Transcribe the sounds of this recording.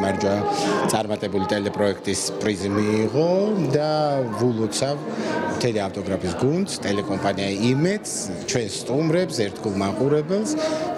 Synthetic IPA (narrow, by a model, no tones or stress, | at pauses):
maɾd͡ʒat̪sʼaɾmat̪ʼɛbulit̪ʼɛlɛpʼɾɔɛkʰt̪ʼispʼɾizimiːʁɔd̪avulˠɔt̪sʰavmt̪ʰɛliaft̪ʼɔɡɾapʰisɡund̪st̪ʼɛlɛkʼɔmpʼaniaimɛd̪s | t͡ʃʰwɛnsːt̪ʼumɾɛpsɛɾt̪ʰɡulˠmaqʼuɾɛbɛlˠs